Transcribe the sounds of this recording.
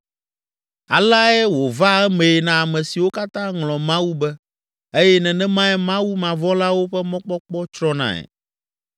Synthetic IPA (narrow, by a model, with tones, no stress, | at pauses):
a˨la˦ɛ˦wo˨va˦ɛ˦mẽ˨ɛ˨nã˨a˨mɛ̃˨si˨wo˦ka˦t̪ã˦ŋlɔ̃˨mã˦wu˦bɛ˦ | e˦jɛ˦nɛ̃˨nɛ̃˦mã˦ɛ˦mã˦wu˦mã˨vɔ̃˦la˦wo˦ɸɛ˦mɔ̃˦k͡pɔ˦k͡pɔ˦t͡ʃɾɔ˦nã̰˨ɛ̰˨